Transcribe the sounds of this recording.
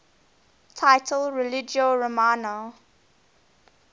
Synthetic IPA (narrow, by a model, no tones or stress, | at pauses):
tʰaɪtʰəlɹɛlɪd͡ʒoɹomano